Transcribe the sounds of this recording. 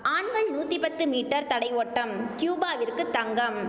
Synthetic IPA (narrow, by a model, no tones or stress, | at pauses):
ʔaːɳʋɐɭnuːt̪ripɐt̪ːɯmiːʈːɐɾt̪ɐɽɐɪʋoːʈːɐmkjuːbaːʋɪrkɯt̪ːɐŋɡɐm